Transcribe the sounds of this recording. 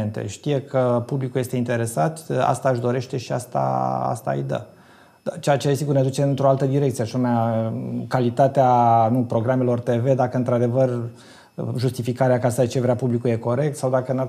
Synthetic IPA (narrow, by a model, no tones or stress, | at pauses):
ent̪e̞̰ʃt̪ije̞kʰəpublikulje̞st̪e̞int̪e̞ɾe̞sat̪a̰st̪aɨʃd̪o̞ɾe̞ʃt̪e̞ʃiast̪a̰a̰st̪a̰ɨ̰jd̪ə̰ | d̪at͡ʃejat͡ʃeesiɡurned̪ut͡ʃe̞ɨnt̪ɾo̞alt̪əd̪iɾekt̪sijeaʃameakalit̪at̪eanupɾo̞ɡɾame̞lo̞rt̪e̞ve̞d̪akəɨnt̪ɾad̪e̞vər | ʒust̪ifikaɾeakasaet͡ʃe̞vɾeapublikuje̞ko̞ɾe̞k̚t̪sawd̪akəɨna